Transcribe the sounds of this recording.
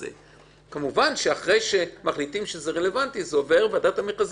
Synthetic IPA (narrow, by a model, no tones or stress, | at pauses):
ḛ | kamuvanʃeaχʁe̞jʃe̞maχlitimʃezeʁele̞vantizeove̞ʁvadatamitaz